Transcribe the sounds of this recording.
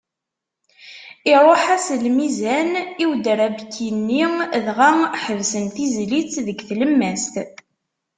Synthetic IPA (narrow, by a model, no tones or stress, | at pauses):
ɪɾˤɑħaslmizæniwd̪əɾæbkːinːiðʁaħəvsənθizlit͡sðəɡθləmːæst̪